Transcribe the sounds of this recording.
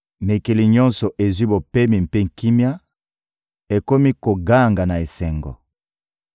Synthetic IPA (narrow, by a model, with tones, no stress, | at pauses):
me˨ke˨li˨ɲɔ˦nsɔ˨ʔe˨zwi˦bo˨pe˦mi˨m˨pe˦ŋ̩˨ki˦mja˦ | e˨ko˦mi˦ko˨ɡa˦˨ŋɡa˨na˨e˨sɛ˨ŋɡɔ̰˨